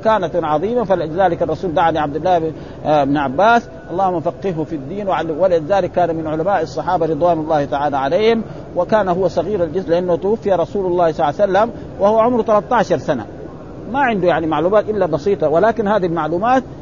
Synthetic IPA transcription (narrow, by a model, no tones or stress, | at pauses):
kaːnat̪ʕɑðˤiːmafalʔɪd͡ʒzaːlɪkɑrˤːɑsuːnd̪aʕaliʕab̚d̪ɪlːaː | ɪbnʕabːaːs | ʔɑlˤːɑːhʊmːafaqːɪhhufid̪ːiːnwʕalwalʔɪd͡ʒzaːlɪkːaːnamɪnʕʊlamaːʔɑsˤːɑħɑːbaɾɨd̪ˤwaːnɑlˤːɑːht̪aʕaːlaʕalejːhɪm | wɪkaːnaɦʊwːasˤɑɣiːɾald͡ʒɪzlɪʔanːht̪ʊwafːijaɾˤɑsuːlɑlˤːɑːhsˤɑlːasalːam | wahuwːaʕʊmɾt̪alɑt̪ˤːɑːʃɑɾˤsana̰ | maʕɪnd̪ujaʕnimaʕluːmaːt̪ʔɪlːabɑsiːt̪ˤɑwɪlaːkinhaːd̪iilmaʕluːmaːt̪